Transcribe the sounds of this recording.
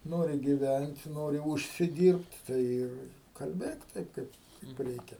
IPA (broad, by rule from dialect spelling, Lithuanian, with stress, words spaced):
ˈnoːrʲɪ ɡʲɪˈʋʲænt ˈnoːrʲɪ ˌʊʃʲsʲɪˈdʲiːrʲpʲtʲ ˈtɐɪ ɪr kɐlʲˈbʲeːk ˈtɐɪp ˈkɐɪp kɐɪp ˈrʲɛɪkʲɛ